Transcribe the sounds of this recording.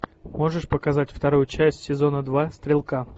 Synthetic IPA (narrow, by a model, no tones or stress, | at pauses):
mo̞ʐɨʂpəkɐzatʲft̪ɐɾujʊt͡ɕæsʲtʲsʲɪzo̞nəd̪vast̪ɾʲɪlˠka